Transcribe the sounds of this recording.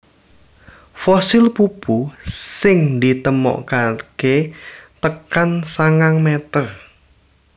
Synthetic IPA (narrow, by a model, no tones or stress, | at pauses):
fɔsɪlpupusɪŋd̪it̪əmɔ̰ʔkarket̪əkansaŋaŋmet̪ər